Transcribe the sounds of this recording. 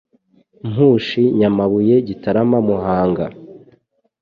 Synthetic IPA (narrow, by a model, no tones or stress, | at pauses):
mhuːʃiɲamaβuje̞ɟitaɾamamuɦaːŋɡa